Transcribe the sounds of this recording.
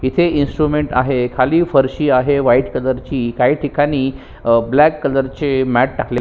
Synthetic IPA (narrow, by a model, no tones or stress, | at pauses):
it̪ʰeinsʈɾumeɳʈa̰ɦekʰaliːfəɾɕiːaɦeʋaiʈkələɾt͡ɕiːkaɦiːʈʰikaɽ̃iː | blækːələɾt͡ɕemæʈ̚ʈakle